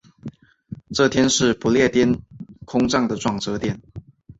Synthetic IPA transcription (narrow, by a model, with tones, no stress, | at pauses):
ʈ͡ʂɤ˥˨˩t̪ʰjɛ˥nʂɻ̩˥˩pu˧˦ljɛ˥˩t̪jɛ˥nkʰʊ˥ŋʈ͡ʂɑ˥˩ŋd̪ə˩ʈ͡ʂwɑ˥˩ŋʈ͡ʂɤ˧˥t̪jɛ˥˩n